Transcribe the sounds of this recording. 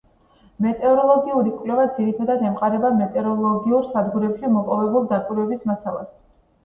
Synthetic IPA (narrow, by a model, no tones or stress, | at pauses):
mɛt̪ʼɛɾɔlˠɔɡiuɾikʼwlɛvad̪ziɾit̪ʰad̪ad̪ɛmqʼaɾɛbamɛt̪ʼɛɾɔlˠɔɡiuɾsad̪ɡuɾɛpʃimɔpʼɔvɛbulˠd̪akʼwiɾwɛbismasalˠa̰s